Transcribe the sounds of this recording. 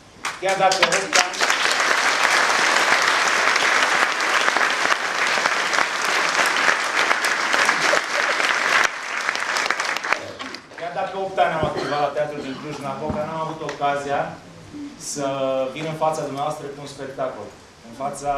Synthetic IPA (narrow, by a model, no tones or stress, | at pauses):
kʲard̪akəopt̪a | kʲard̪akəopt̪anamavut̪evalat̪eat̪ɾud̪iŋkluʃɨnapokanamavut̪o̞kazija | səvinɨnfat̪sad̪umneaoast̪ɾəkuunspe̞k̚t̪ako̰l | ɨnfat̪sa